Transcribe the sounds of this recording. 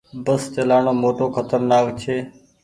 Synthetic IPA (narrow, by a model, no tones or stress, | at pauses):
bəst͡ʃəlaːɳoːmoːʈoːkʰət̪əɾnaːkt͡ʃʰeː